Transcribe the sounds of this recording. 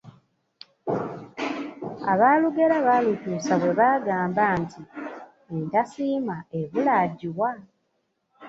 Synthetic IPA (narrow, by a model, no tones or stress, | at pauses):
aβaːluɡe̞ɾaβalutuːsaβwe̞βaːɡaːmbaːntʰi | entasiːmaeβulaɟiwa